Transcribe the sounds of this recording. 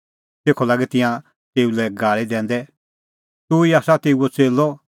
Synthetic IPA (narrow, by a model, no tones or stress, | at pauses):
seːkʰɔlaːɡɛt̪ɪ̃jã | t̪eːulɛɡaːɭid̪ɛ̃ːn̆d̪ɛ | t̪uiaːsat̪eːuɔt͡seːlɔ